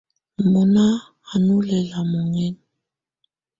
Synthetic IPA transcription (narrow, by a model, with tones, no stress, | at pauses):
mɔ˨naː˦˨ | nu˦lɛ˨la˨mɔ˨ŋɛ˦n˨